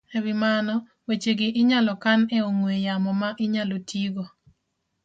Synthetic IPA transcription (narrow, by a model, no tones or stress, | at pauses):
ewɪmanɔ | wet͡ʃeɡɪʔɪɲalɔkaneoŋwejamɔmaʔɪɲalotʰiɡo